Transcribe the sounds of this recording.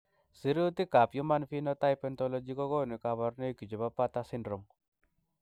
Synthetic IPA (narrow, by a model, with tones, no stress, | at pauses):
si˨ɾi˦u˦t̪i˦ka˨pju˦ma˦nfi˦nɔ˦t̪a˦jpɛ˦nt̪ɔ˦lɔ˦d͡ʒi˦kɔ˦ɡɔ˦ni˨ka˨βa˨ɾne˦ki˨d͡ʒɔ˨ba˦pa˦t̪a˦si˦ndɾɔ˨m